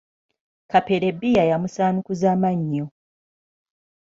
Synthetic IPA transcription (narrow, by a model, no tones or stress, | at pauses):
kapeɾe̞bijajamusaːnukuzaːmaɲːo